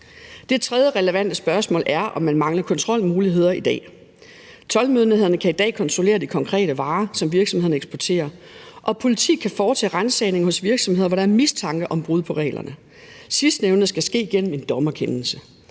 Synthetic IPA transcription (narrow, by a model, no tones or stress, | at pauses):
d̥e̝t͡sʰʁɛð̞ˠjəʁɛləʋæn̰d̥əsb̥ɶɐsmɔ̰̽ːlʔæɐʔɒ̽mːænmɑ̈ŋlɐkʰɒ̽nt͡sʰʁɒ̽l̰muːliɦe̝ð̞̰ˠɐid̥ɛ̰ː | t͡sʰɒ̽lmøð̞ˠniheð̰ˠɐnəkʰæid̥ɛ̰ːkʰɒ̽nt͡sʰʁo̝le̝̰ːɐd̥ikʰɒ̽ŋkʰʁɛ̰ːɾ̥əʋɑ̈ːsɒ̽mʋiɐɡ̥sɒ̽mh̝ðˠɐn̩əeɡ̥sb̥ɒɐt͡sʰe̝̰ːɐ | ʔɒ̽pʰo̝lit͡sʰḭːkʰæfɒːt͡sʰɛ̰ːʁansɛɪne̝ŋhɔ̽sʋiɐɡ̥sɒ̽mhe̝ðˠɐʋɒɾɑ̈æɐmist͡sʰɑ̈ŋɡ̥əʔɒ̽mb̥ʁuðˠpʰɒ̽ʁɛ̰ːlɐ̰nə | sisd̥neʊnð̩ˠsɡ̥æsɡ̥e̝̰ːɡ̥en̰m̩e̝nd̥ɒmɐkʰenl̩sə